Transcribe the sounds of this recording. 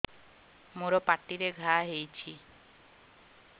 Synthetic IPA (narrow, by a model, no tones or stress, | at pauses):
moɾopaʈːiɾeɡʱaɦejt͡ɕʰi